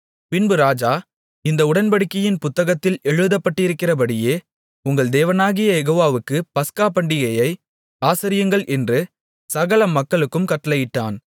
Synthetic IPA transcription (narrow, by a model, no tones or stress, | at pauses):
pɪnbɯɾaːd͡ʒaː | ɪnd̪ɐʊɽɐnbɐɽɪkːɐjɪnpʊt̪ːɐɣɐt̪ːɪlɛɻɯðɐpːɐʈːɪɾɯkːɪrɐp̬ɐɽɪjeː | ʊŋɡɐɭd̪eːʋɐnaːɣɪjɐjɛɣoːʋaːʋɯkːɯpɐskaːpɐɳɖɪɣɐjɐɪ | aːsɐɾɪjɯŋɡɐɭʔɛndrɯ | sɐɣɐɭɐmːɐkːɐɭɯkːɯmkɐʈːɐlɐjɪʈːaːn